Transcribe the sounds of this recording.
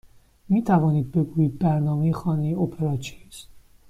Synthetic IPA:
miːt̪ʰævɒːniːd̪̚be̞ɡuːjiːd̪̚bæɾnɒːmejexɒːnejeopʰeɾɒt͡ʃʰeis

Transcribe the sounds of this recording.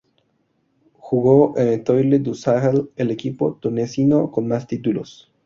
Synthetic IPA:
xuɣoʔemet̪ojled̪usaɾelelekipot̪unesinokonmast̪it̪ulo̰s

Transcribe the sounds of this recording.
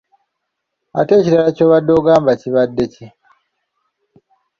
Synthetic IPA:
a̰te̞ːciɾalaco̞ːβadːo̞ːɡaːmbaciβadːe̞ci

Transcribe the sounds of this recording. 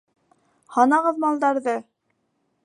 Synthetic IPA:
hɑnɑʁɤðmɑlˠd̪ɑɾðɤ

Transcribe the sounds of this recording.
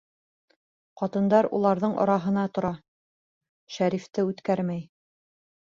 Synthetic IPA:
qɑt̪ɤ̆nd̪ɑɾṵlˠɑɾðɤɴɑ̰ɾɑɦɤ̆nɑt̪ŏɾɑ | ʃæɾift̪ɘʉt̪kæɾmæj

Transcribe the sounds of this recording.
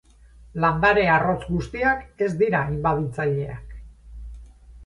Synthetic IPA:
land̪aɾe̞aro̞t͡sɡust̪iake̞zd̪iɾaimbaðit͡saʎe̞ak

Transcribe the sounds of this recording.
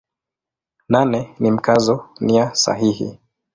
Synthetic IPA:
nanɛnim̩kazɔniasa̰ɦihḭ

